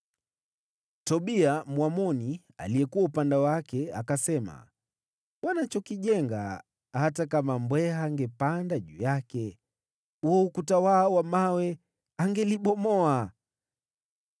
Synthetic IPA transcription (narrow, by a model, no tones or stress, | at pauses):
tɔɓiamwamɔni | a̰lijɛkuwaupandɛwakɛakasɛma̰ | wanat͡ʃɔkiʄɛŋɡa̰ | hatakamambwɛɦaŋɡɛpandaʄṵːjakɛ | uɔukutawawamawɛ | aŋɡɛliɓɔmɔa